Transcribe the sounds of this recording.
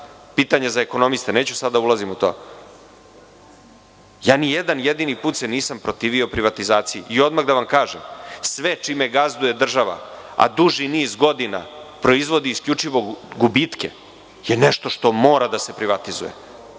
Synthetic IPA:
piːt̪aɲezaeko̞no̞mist̪ene̞ːt͡ɕusad̪aulˠazimut̪oː | jaːnijed̪anjed̪inipuːt̪seniːsampɾot̪iːʋio̞pɾiʋat̪izaːt̪sijiʔio̞d̪maɣd̪aʋamkaːʒemsʋet͡ʃimeɡazd̪uje̞d̪r̩ʒaʋa̰a̰d̪uʒiniːzɡo̞d̪ina̰pɾo̞izʋo̞d̪iːskʎʲut͡ʂiʋo̞ɡubit̪kḛ | jeneʃt̪o̞ʂt̪o̞moːɾad̪ase̞pɾiʋat̪izṵjḛ

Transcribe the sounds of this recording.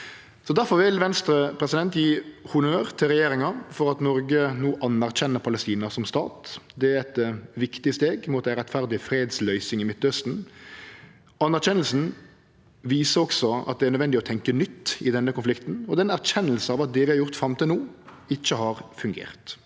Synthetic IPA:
sɔd̪æɾfɔɾʋɪlʋɛnst̪ɾəpʰɾɛsɪd̪ɛnt̪jiːhʊnøːɾt̪ʰɪlɾɛjeːɾɪŋɑfɔɾɑt̪nɔɾɡənuːʔɑnæʁc͡çɛnːəɾpʰɑlɛst̪iːnɑsɔmst̪ɑ̰ːt̪d̪ɛæɾɛt̪ʋɪkt̪ɪəst̪eːɡmuːt̪æɪɾɛt̪fæɾd̪ɪəfɾeːd̪slœʏsɪŋɪmɪt̪ːœst̪n̩ | ɑnːæɾɕɛnəl̩sn̩ | ʋiːsəɾɔksɔɑ̰t̪̚d̪ɛæɾnœd̪ʋɛnd̪ɪɔt̪ʰɛŋkənʏt̪ːɪd̪ɛnːəkʊnflɪkt̪n̩ɔd̪ɛnæɾɕɛnːəlsəɑːʋɑt̪̚d̪ɛʋɪhɑɾjʊʁt̪fɾɑmt̪ɪnuː | ɪc͡çːəhɑɾfʉŋɡḛːʁt̪

